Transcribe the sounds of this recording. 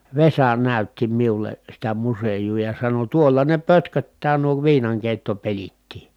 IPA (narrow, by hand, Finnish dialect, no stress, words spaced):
ʋesɑ næˑytːi miule sitæ musejuː jɑ sɑno tuolːɑ ne pøtkøtːæː nuo ʋiːnɑŋkeˑi̯tːopelitːiː